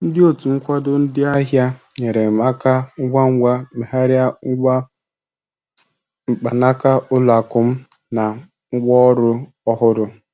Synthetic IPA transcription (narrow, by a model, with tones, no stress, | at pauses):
n̩˦dɪ˦o˦tu˨ŋ̩˦kʷa˦dʊ˦n̩˦dɪ˦a˦ɦja˦ɲe˨ɾe˨ma˦ka˦ŋ̩˦ɡʷa˦ŋ̩˦ɡʷa˦ma˨ɦa˦ɾja˦a˦ | ŋ͡m̩˨k͡pa˨na˦ka˦ʊ˦la˨kʊ˨m̩˦ | na˨ | ŋ̩˦ɡ͡bɔ˦ɔ˦ɾʊ˦ | ɔ˦ɦʊ˦ɾʊ˦